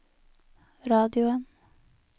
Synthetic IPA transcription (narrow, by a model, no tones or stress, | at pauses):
ɾɑːd̪ɪʊən